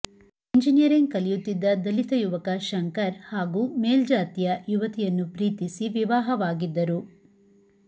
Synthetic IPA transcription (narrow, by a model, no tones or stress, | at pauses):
iɲd͡ʒinijɐɾiŋɡkɐlijut̪ːid̪ːɐd̪ɐlit̪ɐjuʋɐkɐʃɐŋkɐɾhaːɡuːmeːld͡ʒaːt̪ijɐjuʋɐt̪ijɐnːupɾiːt̪isiʋiʋaːɦɐʋaːɡid̪ːɐɾu